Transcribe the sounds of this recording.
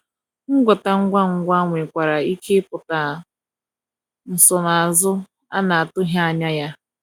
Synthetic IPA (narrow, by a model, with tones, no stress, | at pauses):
ŋ̩˦ɡʷɔ˨ta˨ŋ̩˦ɡʷa˦ŋ̩˨ɡʷa˦ŋʷe˨kʷa˨ɾa˨i˦kʰe˦pʊ˨ta˨ | n̩˨sɔ˨na˨a˨zʊ˦ | a̰˦na˨a˨tʊ˦ɦja˦a˨ɲa˦ja˦